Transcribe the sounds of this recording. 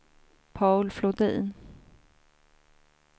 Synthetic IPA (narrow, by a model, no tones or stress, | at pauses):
pʰɑʊlflɔd̪ḭːn